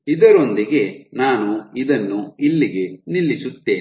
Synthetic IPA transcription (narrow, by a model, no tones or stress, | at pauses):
id̪ɐɾo̞nd̪iɡe̞naːnuid̪ɐnːuilːiɡe̞nilːisut̪ːe̞ːi